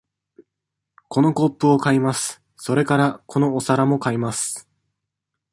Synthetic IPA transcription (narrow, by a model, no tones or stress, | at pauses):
ko̞no̞ɡo̞pːɯ̟o̞kaimasɨ̥ | so̞ɾe̞kaɾakʰo̞no̞ːsaɾamo̞kaimasɨ̥